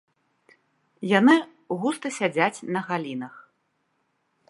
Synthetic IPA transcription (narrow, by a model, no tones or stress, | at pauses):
janɨ | ɣust̪ɐsʲad͡zʲat͡sʲnɐɣalʲinɐx